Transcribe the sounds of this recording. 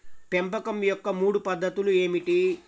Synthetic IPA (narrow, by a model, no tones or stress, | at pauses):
pempɐkɐmjɔkːɐmuːɽupɐd̪ːɐt̪ulueːmiʈi